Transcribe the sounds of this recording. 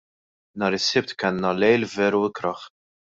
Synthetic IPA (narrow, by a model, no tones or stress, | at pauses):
nɐːɾɪsːɪp̚t̪kɛnːɐlɛjlvɛːɾuɪkɾɐχ